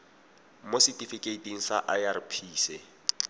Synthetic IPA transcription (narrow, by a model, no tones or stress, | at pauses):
mositʼifikʼeitʼiŋ̩saʔajarɪpʰiːsɛ